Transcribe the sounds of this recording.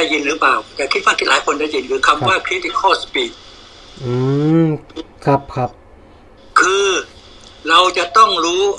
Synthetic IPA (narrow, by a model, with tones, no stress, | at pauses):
a˧˩ji˧nɾɯː˦˥paː˨˩wt̪ɛː˨˩kʰi˧˥fa˧ŋt̪ʰːlaː˨˦jkʰo˧nda˧˨ji˧˦nkʰɯː˧kʰa˧mwaː˥˩kʰɾi˦˥t̪i˧˥kʰːɔː˥˩spiː˨˩t̪̚ | ʔɯː˧ | kʰa˦˧p̚kʰa˦˧p̚ | kʰɯː˧ | ɾa˧wt͡ɕa˨˩t̪ɔ˥˩ŋɾuː˦˥